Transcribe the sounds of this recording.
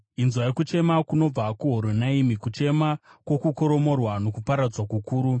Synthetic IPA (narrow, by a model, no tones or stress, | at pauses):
inzwajekut͡ʃe̞makuno̞b͡vakuɦoɾonaimikut͡ʃe̞makwo̞kukoɾo̞mo̞rwano̞kupaɾad͡zwakukuːɾu